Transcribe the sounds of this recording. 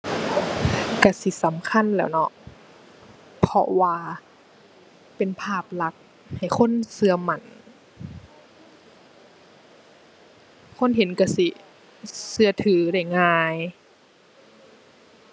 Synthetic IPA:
ka˧˩si˧˦sa˨˦mkʰa˧˥˨nlɛː˧˩wnɔ˧ʔ | pʰɔ˧waː˧ | pe˨npʰaː˧˥˩p̚la˧˦˥k̚ | ha˨˩jkʰo˧˥˨nsɯ˧ɐma˧˩˨n | kʰo˧˥˨nɦe˨˦nka˧˩si˧˦ | sɯ˧ɐt̪ʰɯː˨˩˦da˧˥˩jŋaː˧j

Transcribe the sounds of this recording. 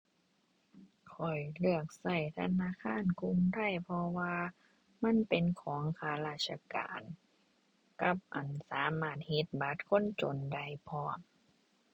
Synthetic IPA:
kʰɔ˨˩jlɯ˧˩ək̚sa˧˩jt̪ʰa˧naː˧˥˨kʰaː˧˥˨nku˧ŋda˥˩jpʰɔ˧waː˧ | ma˧˥˨npe˨nkʰɔː˩˦ŋkʰaː˧˦laː˧˩t̪̚sʰa˧ka̰ː˨n | ka˧˦p̚ʔa˨˩nsaː˨˦maː˧˥˩t̪̚he˧t̪̚ba˧˦t̪̚kʰo˧˥˨nt͡ɕo˨˩nda˧˩jpʰɔː˧˩˨m

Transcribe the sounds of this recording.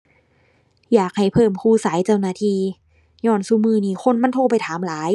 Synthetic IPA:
jaː˨˩k̚ha˨˩jpʰɤː˧˩mkʰuː˧˩saː˩˦jt͡ɕa˧˩˨wnaː˧˩t̪ʰiː˧ | ɲɔː˧˩˨nsu˧˩mɯː˧˩˨niː˧˩xʰo˧˥˨nma˧˥˨nt̪ʰoː˧pa˨jt̪ʰaː˨˩˦mlaː˨˦j

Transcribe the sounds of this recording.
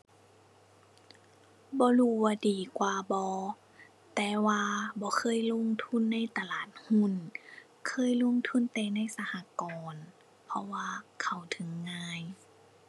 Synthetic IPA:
bɔː˧˦luː˧˩waː˧diː˨˩kwaː˨bɔː˧˦ | t̪ɛː˨˧˦waː˧bɔː˧˦kʰɤː˧˥˨jlo˧˥˨ŋt̪ʰu˧˥˨nːa˧˥˨jt̪a˧laː˨˩t̪̚hu˧˥˨n | kʰɤː˧˥˨jlo˧˥˨ŋt̪ʰu˧˥˨nt̪ɛː˧˩na˧˥˨jsa˧ha˧˦kɔː˨n | pʰɔ˧waː˧kʰa˧˩wt̪ʰɯ˨˦ŋːaː˧˥˨j

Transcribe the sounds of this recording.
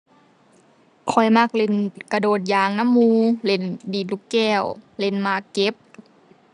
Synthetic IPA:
kʰɔ˨˩jma˧˥˨k̚le˧˩nka˧doː˨˩t̪̚jaː˧˦ŋna˧˥˨mːuː˧le˧˩ndiː˨˩nluː˧˩kɛː˧˩wle˧˩˨nmaː˧˩ke˧˦p̚

